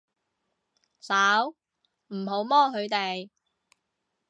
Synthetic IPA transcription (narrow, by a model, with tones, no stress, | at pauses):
saː˨˥w | m̩˨˩ɦo˨˧˥wmɔː˥ɦɵ˨˧ɥt̪e˨j